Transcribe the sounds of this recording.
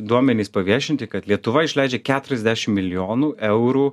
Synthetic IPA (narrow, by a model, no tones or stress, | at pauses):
d̪uɔmʲɛnʲiːspɐʋʲiɛʃʲɪnt̪ʲɪkɐt̪lʲiɛt̪ʊʋɐɪʃʲlʲɛɪd͡ʒʲɛkʲæːt̪ʊɾʲɛzʲd̪ʲæːʃʲɪmmʲɪlʲɪjoːnuːʔɛʊɾuː